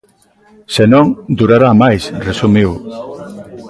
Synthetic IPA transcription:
senõŋd̪uɾaɾamajsresumiw

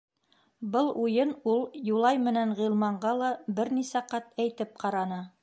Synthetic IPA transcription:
bɤlˠujɤnulˠjulˠɑjmɘ̆nænʁilˠmɑɴɢɑlˠɑbɘɾnisæqɑt̪æjt̪ɘp̚qɑɾɑnɤ

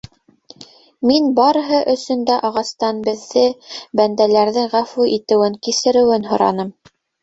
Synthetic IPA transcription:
minbɑɾɤ̆ɦɤʔɵ̆sɵ̆nd̪æʔɑʁɑst̪ɑnbɘ̆ðːɘbænd̪ælæɾðɘŋʁæfuʔit̪ɘ̆wɘŋkisɘ̆ɾɘ̆wɘnɦŏɾɑ̰nɤm

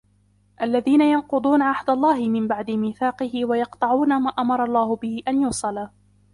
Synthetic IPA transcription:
ʔalːaðiːnajɑnqʊd̪ˤuːnaʕahd̪alˤːɑːhɪmɪmbaʕd̪ɪmɪːθɑːqɪhɪwajɑqt̪ˤɑʕuːnamaːʔamɑɾˤɑlˤːɑːhʊbɪhɪʔanjuːsˤɑlaː

